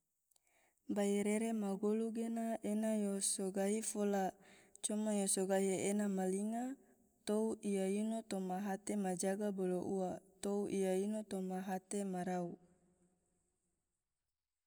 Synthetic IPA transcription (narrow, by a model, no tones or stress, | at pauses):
baiɾeɾemaɡoluɡenaʔenajosoɡaifolat͡ʃomajosoɡaɦienamaliŋa | t̪ouʔijainot̪omaɦat̪emad͡ʒaɡaboloʔuat̪ouʔijainot̪omaɦat̪emaɾau